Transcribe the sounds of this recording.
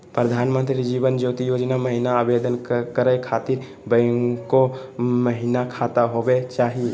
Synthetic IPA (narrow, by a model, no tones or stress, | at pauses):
pɾəd̪ʱaːnmə̃nt̪ɾid͡ʒiːbənd͡ʒoːt̪ijoːd͡ʒnaməɦɪnaaːbeːd̪ənkəɾəkʰaːt̪ɪɾ | bəŋkoməɦɪnakʰaːt̪aɦobet͡ʃaːɦie